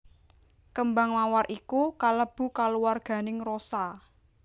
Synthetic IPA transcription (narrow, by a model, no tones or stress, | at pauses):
kəmbaŋmawarʔikukaləb̥ṳkaluwarɡ̥a̤nɪŋrosa